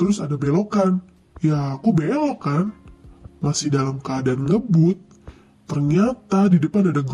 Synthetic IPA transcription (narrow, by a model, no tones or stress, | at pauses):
t̪əɾʊsadabelokan | jaːkubelokan | masɪhdalamkəadaanŋəbʊt̪̚ː | ərɲat̪adidəpanadaɡ